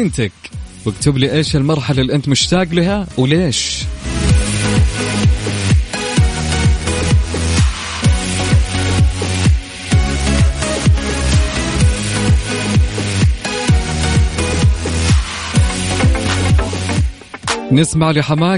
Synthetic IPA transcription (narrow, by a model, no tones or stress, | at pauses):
nt̪akwɪkt̪ʊbliʔeːʃalmɑɾˤħalalːiʔɪnt̪mʊʃt̪aːɡlɪɦawɪleːʃ | nɪsmaʕlɪħamaː